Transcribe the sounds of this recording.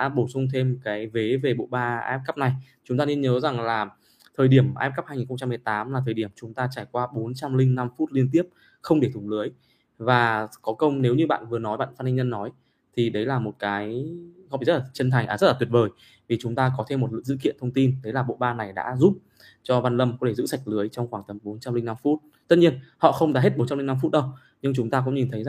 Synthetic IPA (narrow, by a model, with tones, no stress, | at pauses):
ɗa̰ː˧˥ɓo˧˩sʊ˧ŋ͡mt̪ʰe˧mkaː˨˦jve˨˦ve˨˩ɓo̰˧˨ɓaː˧ʔɛ˦˥p̚kə˦˥p̚na˨˩j | t͡ɕʊ˨˦ŋ͡mt̪aː˧ni˧ənɲəː˨˦za˨˩ŋlaː˨˩ | t̪ʰəː˨˩jɗi˧˩əmʔɛ˦˥p̚kə˦˥phaː˧jɲi˨˩nxə˧ŋ͡mt͡ɕa˧mːɨ˨˩əjt̪aː˨˦mlaː˨˩t̪ʰə˨˩ɗi˧˩əmt͡ɕʊ˨˦ŋ͡mt̪aː˧t͡ɕaː˧˩jkwaː˧ɓo˨˦nt͡ɕa˧mlï˧ŋ̟na˧mfu˦˥t̚li˧ənt̪i˦˥əp̚ | xə˧wŋ͡mɗi˧˩t̪ʊ˨˩ŋ͡mlɨ˨˦əj | vaː˨˩kɔ˨˦kə˧wŋ͡mne˨˦wɲɨ˧ɓa̰ː˧˨nvɨ˨˩ənɔ˨˦jɓa̰ː˧˨nfaː˧t̚nʰï˧ŋɲə˧nːɔ˨˦j | t̪ʰi˨˩ɗə˨˦jlaː˨˩mo˨˩t̚kaː˨˦jɔ˧˨i˨˩zə˦˥tlaː˨˩t͡ɕə˧nt̪ʰa˨˩jŋʔa̰ː˨˩zə˦˥t̚laː˨˩wi˩ət̚vəː˨˩j | vi˨˩t͡ɕʊ˨˦ŋ͡mt̪aː˧kɔ˨˦t̪ʰe˧mːo˨˩t̚lɨ̰˧˨sɨ̰˧˨kḭ˧˨ənt̪ʰə˧wŋ͡mt̪i˧nɗə˨˦jlaː˨˩ɓo̰˧˨ɓaː˧na˨˩jɗa̰ː˧˥zu˦˥p̚ | t͡ɕɔ˧vaː˧nlə˧mkɔ˨˦tʰe˧˩zɨ̰˧˥sa˨˩jk̟̚lɨ˨˦əjt͡ɕɔ˧wŋ͡mxwaː˧˩ŋt̪ə˨˦mɓo˨˦nt͡ɕa˧mlï˧ŋna˧mfu˦˥t̚ | t̪t̚ɲi˧ənhɔ̰˧˨xə˧wŋ͡mɗaː˧˦ɦe˦˥t̚ɓo˨˦nt͡ɕa˧mli˧ŋna˧mfu˦˥t̚ɗə˧w | ɲɨ˧ŋt͡ɕʊ˨˦ŋ͡mt̪aː˧kʊ̰˧˥ŋ͡mɲi˨˩nt̪ʰə˨˦j